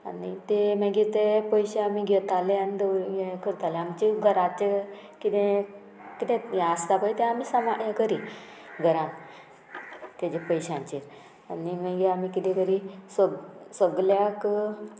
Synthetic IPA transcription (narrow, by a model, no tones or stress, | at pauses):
a̰nit̪eməɡit̪epəjɕeamiːɡʱɛt̪aleanid̪eɡekʰəɾt̪aleamt͡ɕiɡʱəɾat͡ɕe | kit̪ɛ̃ | kit̪ɛ̃jast̪apəjt̪ɛ̃amiːsəmajəkəɾi | ɡʱəɾãn | t̪ad͡ʑepəjɕãɲt͡ɕiːɾ | animəɡiamikit̪ɛ̃kəɾisəsəɡljak